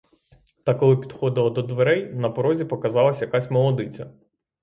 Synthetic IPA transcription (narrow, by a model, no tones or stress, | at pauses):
t̪ɑkɔlˠɪpʲid̪̥xɔd̪ɪlˠɔd̪ɔd̪ʋeɾɛjnɐpɔɾɔzʲipɔkɐzɑlˠɐsʲjɐkɑsʲmɔlˠɔd̪ɪt͡sʲɐ